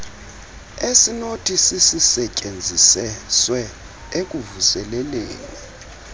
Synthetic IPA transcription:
esinotʰisisisɛcʼend͡zʱisɛswɛ | ek̬ʼuvusɛlɛleːni

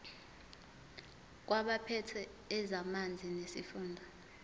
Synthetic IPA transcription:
k̬waɓapʰɛtʰɛː | zamand͡zʱinesifuːndʱɔ

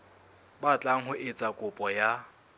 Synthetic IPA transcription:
bat͡ɬʼaŋ̩ɦʊʔet͡sʼakʼʊpʼɔja

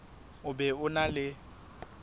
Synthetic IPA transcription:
ʊbɛʊnalɪ

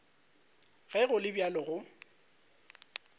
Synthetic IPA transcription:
ɣɛɣʊlɪbjalɔɣʊ

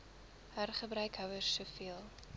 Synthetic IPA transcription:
hærχəbɾœɥkɦœwərsːufiəlˠ

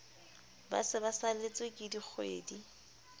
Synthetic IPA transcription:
ba̰sɪbasalet͡sʼwɪkʼɪdik͡xʰwḛːdi

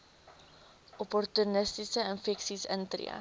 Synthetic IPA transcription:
ʔɔpɔrtunəstisəənfɛksisə̰ntrḭə̰

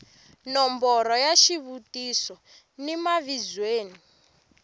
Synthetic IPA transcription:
nɔmbɔɾɔjaʃiβutisɔ | nimaβid͡zweːni

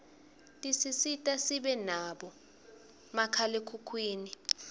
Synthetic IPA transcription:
tʼisisitʼasiɓɛnaɓɔ | makʰalekʰukʰwiːni

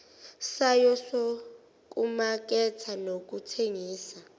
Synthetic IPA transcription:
sajɔso | k̬ʼumak̬ʼɛtʰanok̬ʼutʰeŋiːsa

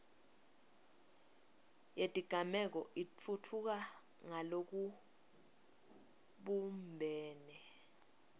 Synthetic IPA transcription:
jed̥ʼʱiɡ̥ʱamɛk̬ɔʔit͡fʰutʰuk̬a | ŋalok̬u | ɓumbʱɛːnɛ

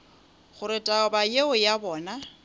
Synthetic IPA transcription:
χʊɾɪtʼaɔbajeʊjabɔːna

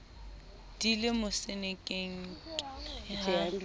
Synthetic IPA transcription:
d̥ilɪmʊsenekʼeŋ̩k

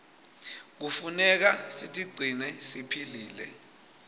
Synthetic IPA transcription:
k̬ufunɛk̬asitʼiɡ͡ǀʱinɛsipʰiliːlɛ

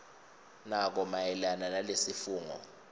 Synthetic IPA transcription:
nak̬ɔmajɛlananalesifuːŋɔ̰

